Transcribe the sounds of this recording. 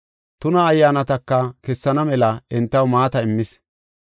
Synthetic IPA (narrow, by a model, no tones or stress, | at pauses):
t̪ʊnɐːjːaːnɐt̪ɐkːɐkɛsːɐnɐmɛlɐɪnt̪ːɐwmaːt̪ɐɪmːɪs